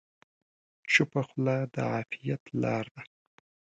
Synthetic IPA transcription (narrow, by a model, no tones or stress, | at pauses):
t͡ʃupaxlad̪ə̰ʕaːfijat̪lɑɾd̪a